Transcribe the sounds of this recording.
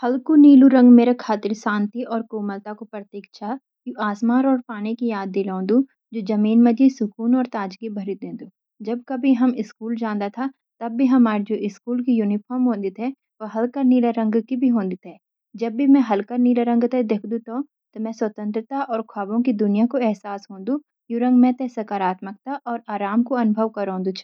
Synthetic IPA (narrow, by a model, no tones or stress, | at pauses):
hɐlkuniːluɾɐ̃ŋɡmeːɾakʰaːt̪ɪɾsãːnt̪iʔɔːɾkoːməlt̪akopɾət̪eːkʃʰa | kuʔaːsmaːɾɔːɾpaːnikijaːd̪̚ːelãːnd̪u | d͡ʒoːd͡ʒɐmiːnmɐ̃d͡ʒisʊkuːnɔːɾt̪aːd͡ʒɡibʱɐɾid̪ẽːnd̪uː | d͡ʒɐb̚kɐbʱiɦɐmɪskuːld͡ʒãːnd̪at̪ʰa | t̪ɐbːiɦɐmaːɾd͡ʒoːʔɪskuːlkijuːnɪpʰɔːɾmɦõːnd̪it̪ʰɛ | ʋɐɦɐlkəɾniːləɾɐ̃ŋɡkibʱiɦõːnd̪it̪ʰɦɛː | d͡ʒɐbːimɛ̃ɦɐlkəɾniːləɾə̃ŋɡt̪ed̪eːkʰd̪ũt̪õ | t̪omɛ̃ːswɐt̪ə̃nt̪ɾət̪aʔɔːɾkʰaːbõkid̪ʊnijakoɛɦsaːsɦõːnd̪ũ | juɾɐ̃ŋɡmɛ̃t̪ɛsɐkaːɾaːt̪mək̚t̪aʔɔːɾaːɾaːmkoɐnʊbʱəʋkɐɾõːnd̪ut͡ʃʰː